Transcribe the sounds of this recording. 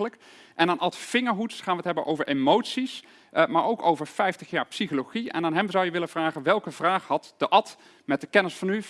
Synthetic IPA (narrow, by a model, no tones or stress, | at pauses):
ələk | ʔɛnaːnʔɑtfɪŋəɹɦutχaːnʋətɦɛbənʔo̰wvəɹemowtsis | maːɹowkowvəɹfɛjftəχjaːɹpsiχoloχiɛ̰naːnɦɛmzʌwjəʋɪlənv̥raːχənʋɛlˠkəvraːχhɑtd̥əʔɑt | mɛt̚dəkɛnɪsfɑny